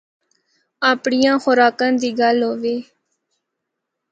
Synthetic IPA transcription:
aːpɳɪjãːxʊɾaːkãːd̪iːɡəlɦoːʋeː

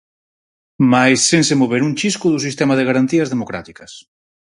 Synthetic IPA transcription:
majsːẽŋsemoβ̞eɾuŋt͡ʃiskʊðus̬ist̪ɛmaðeɣaɾant̪iɐzðemokɾa̰t̪ikɐs

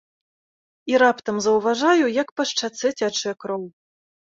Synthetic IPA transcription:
iɾapt̪ɐmzɐwvaʐajujɐkpɐʂt͡ʂat̪sɛt͡sʲat͡ʂɛkɾɔw

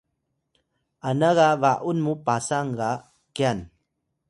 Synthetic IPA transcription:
anaɣavaʔunmupasaŋɡa | kian

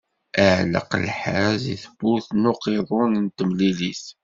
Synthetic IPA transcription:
əʕlə̰qə̰lħazḭθəbuθnuqiðˤʊnənt̪əmlilis

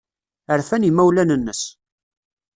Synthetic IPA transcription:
əɾfænimæwlænənːəs

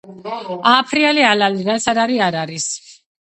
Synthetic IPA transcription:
aːpʰɾialialaliɾat̪sʰaɾaɾiaɾaɾis

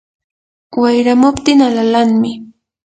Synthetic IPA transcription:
wajɾamʊpt̪ɪŋalalaŋmɪ

